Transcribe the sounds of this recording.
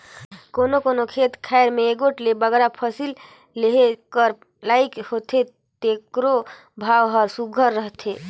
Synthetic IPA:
konokonokʰet̪kʰaeɾmeːɡoʈlebəɡɾapʰəsil | leɦekəɾ | lajkhot̪ʰe | t̪ekɾo | bʱaʋɦəɾsuɡʱəɾːəɦt̪ʰe

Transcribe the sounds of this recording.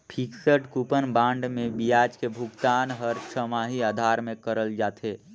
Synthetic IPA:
pʰiːksəʈkupənbãːɳɖmẽbijaːd͡ʒkebʱʊɡt̪aːnɦəɾʃʰəmaːɦiaːd̪ʱaːɾmẽkəɾəld͡ʒaːt̪ʰeː

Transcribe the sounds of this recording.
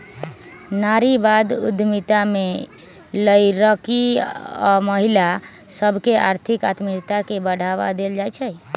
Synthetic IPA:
naɾibad̪ṵd̪ʱmit̪ame | ləjɾəkiɔməɦila | səbʱkeʔa̰ɾt̪ʰikat̪miɾt̪akebəɽ̤aʋa̰d̪eld͡ʒajt͡ʃʰɛj

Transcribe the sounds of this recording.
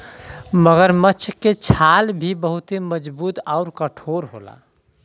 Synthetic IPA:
məɡəɾmət͡ʃʰket͡ʃʰalbʱibəɦut̪eməd͡ʒbuːt̪aʊɾkəʈʰoɾɦo̰la̰

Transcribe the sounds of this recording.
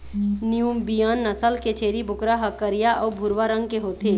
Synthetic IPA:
niumbijənːəsəlket͡ʃʰeːɾibʱʊkɾaɦəkːəɾijaʔɔːbʱʊɾʋaɾə̃ŋɡ̚keɦoːt̪eː

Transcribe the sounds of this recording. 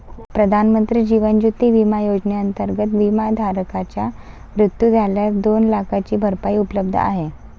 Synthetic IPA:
pɾəd̪ʱanmənt̪ɾiːd͡ʑiʋənd͡ʑut̪ːiʋimajod͡ʑneənt̪əɾɡət̪ʋimad̪ʱaɾkat͡ɕja | ʋɾut̪jud͡z̪ʱaljaɾd̪onlakʰat͡ɕiːbʱəɾpaiupələb̚d̪ʱə̰a̰ɦe

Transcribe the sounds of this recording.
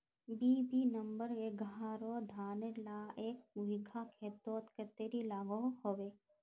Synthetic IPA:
biːbinəmbəɾeɡɦaːɾod̪ʱaːnelaːʔeːk̚muɦiɡʰʱakʰeːt̪oːt̪ket̪eːɾilaːɡoɦhoʋeː

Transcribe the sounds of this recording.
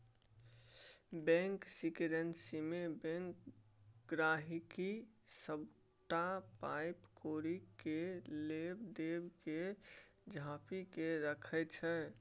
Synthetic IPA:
bɛ̃ŋksikɾənsimebɛ̃ŋkɡɾaɦikisəb | ʈapaɪpkoɾikelebd̪ebked͡ʒʱapikeɾəkʰɛt͡ʃʰɛ

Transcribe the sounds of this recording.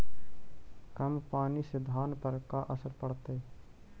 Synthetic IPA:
kəmpaːnisɪd̪ʱaːnpəɾkaʔəsəɾpəɽt̪e

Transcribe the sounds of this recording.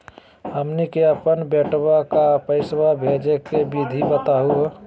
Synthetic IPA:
ɦəmnikeəpənbeːʈwakapəɪswabʱed͡ʒekebid̪ʱibət̪aɦu

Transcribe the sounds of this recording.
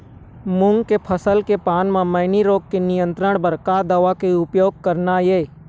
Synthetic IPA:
mʊ̃ŋɡkepʰəsəlkepaːnmãmɐɪniɾoːɡ̚kenɪjə̃nt̪ɾəɽ̃bəɾkaːd̪əʋakeʊpjoːɡ̚kəɾnajeː

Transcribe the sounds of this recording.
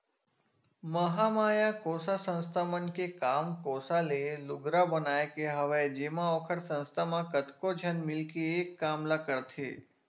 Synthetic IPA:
məɦamaːjakoːsasə̃nst̪ʰamənkekaːmkoːsalelʊɡɾabənaːekeɦəʋad͡ʒeːmãokʰəɽsə̃nst̪ʰamãkət̪kod͡ʒʱənmɪlkeeːkːaːmlakəɽt̪ʰḛː

